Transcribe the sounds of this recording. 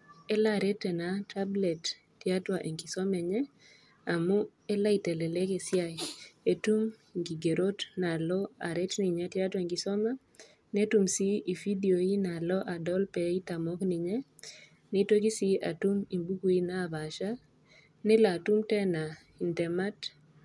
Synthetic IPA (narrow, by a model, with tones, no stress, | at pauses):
ɛ˦la˦ɾɛ˦tɛ˨na˨tʰa˦blɛ˨tː | ɪ˨a˦twa˨ʔe˨ŋɡi˨sɔ˦mɛ˨ɲɛ˦ | a˨mʊ˦ | e˦la˦i˨tɛ˨lɛ˨lɛ˦ke˨sɪ˦a˦je˨tu˦m | ŋɡi˨ɡe˨ɾo˦tna˨lɔ˦a˨ɾɛ˦tni˨ɲɛ˦tja˦twa˨e˨ŋɡi˨sɔ˦ma˦ | ne˦tu˦msi˦i˨fi˦di˨o˨i˦na˨lɔ˦ʔa˨dɔ˦lpɛ˨i˦ta˨mɔ˦knɪ˨ɲɛ˦ | nɪ˦two˦ki˦si˦a̰˨tu˦mi˨mbu˦ku˨i˦na˦˨ba˨ʃa˦ | nɛ˦la˨tu˦mtɛ˦na˨ | i˨ntɛ˨ma˦t